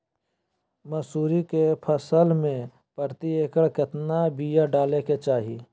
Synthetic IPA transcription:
mɐsuːɾikepʰəsəlmẽ | pəɾt̪ieːkəɽkɪt̪nabijaɖaːleket͡ʃaːɦi

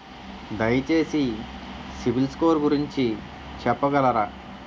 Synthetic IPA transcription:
d̪ɐjɐt͡ʃeːsi | sibilskoːɾɡuɾiɲt͡ʃi | t͡ʃɛpːɐɡɐlɐɾa

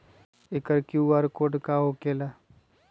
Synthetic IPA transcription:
ɪkəɾkjuaːɾkoːɖkaɦokeːla

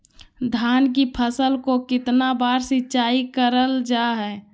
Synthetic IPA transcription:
d̪ʱaːnk̬ipʰəsəlkokɪt̪nabaːɾsɪtːt͡ʃaːikəɾəld͡ʒaɦɛː

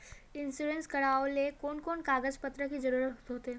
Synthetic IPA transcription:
ɪnsuɖenskɐɽaːolekoːnkoːnkaːɡəzpət̪ɾəkizəɾuːɾət̪ɦoːt̪eɦɛ̃

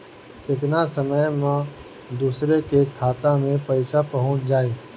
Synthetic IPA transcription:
kɪt̪nasəməjmã | d̪uːsɾekekʰaːt̪amẽpɐɪsapɐɦʊ̃t͡ʃd͡ʒaːeː

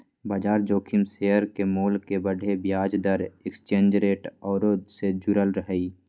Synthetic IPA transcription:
baːd͡ʒaːɾd͡ʒoːkʰɪmsejəɾkemoːlkebəɖʱebjaːd͡ʒd̪əɾekst͡ʃẽːnd͡ʒɾeːʈɔːɾoːd̪sed͡ʒʊɾəlɾəɦəi

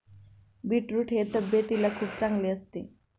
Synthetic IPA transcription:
biʈɾuʈɦet̪əbjət̪ilakʰuːpt͡sãŋɡleəst̪e

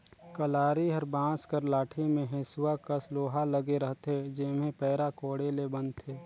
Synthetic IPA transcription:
kəlaːɾiɦəɾbãːskəɾlaːʈʰimẽɦesʊwakəsloːɦaləɡeɾəɦt̪ed͡ʒɪmẽpɛːɾakoːɽelebənt̪ʰeː

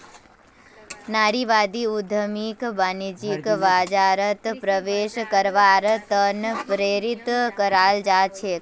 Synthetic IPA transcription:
naɽiʋad̪iud̪ʱəmikbanid͡ʒikʋad͡ʒaɾət̪pɾəʋeʃkəɾʋaɾt̪ənpɾeɾit̪kəɾald͡ʒat͡ʃʰe

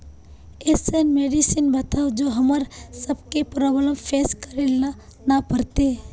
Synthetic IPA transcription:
esənmeɖisinbət̪ʰad͡ʒoɦəməɾsəbkepɾobləmpʰeskəɾelna | napəɾt̪e

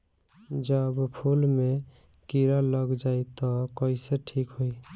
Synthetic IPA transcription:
d͡ʒəbpʰulme | kiɾaləɡd͡ʒait̪ɔkəiseʈʰikɦoi

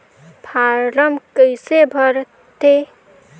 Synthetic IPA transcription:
pʰaɾɾəmkəjsebʱʌɾ | t̪e

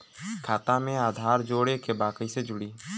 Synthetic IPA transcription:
kʰaːt̪amẽaːd̪ʱaːɾd͡ʒoːɽekebaːkised͡ʒʊɽiː

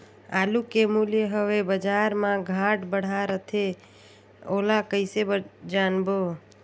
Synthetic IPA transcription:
aːlukemuljəɦəʋebəd͡ʒaɾmãɡʱaʈbəɽ̤aɾət̪ʰe | olakəɪsebd͡ʒanbo

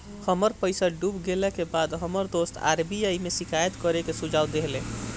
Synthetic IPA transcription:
həməɾpəjsaɖubɡelɛkebad̪ɦəməɾd̪ost̪ʰa̰ɾbiajmesikajət̪kəɾekesud͡ʒʱawd̪eɦlẽ

